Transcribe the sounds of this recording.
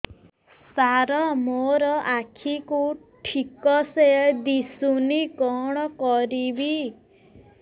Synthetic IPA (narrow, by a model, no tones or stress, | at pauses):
saɾɔmoɾɔʔakʰiku | ʈʰikɔsed̪isunikɔɽ̃ɔkɔɾibi